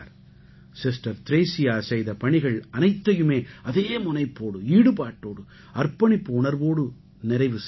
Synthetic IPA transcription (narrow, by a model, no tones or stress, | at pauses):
ɾ | sɪsʈɐɾt̪ɪɾeːsɪjaːsɐɪjðɐpɐɳɪɣɐɭɐnɐɪt̪ːɐjɯmeːɐðeːmʊnɐɪpːoːɽɯiːɽɯpaːʈːoːɽɯ | ɐrpɐɳɪpːɯʊɳɐɾʋoːɽɯ | nɪɾɐɪʋɯs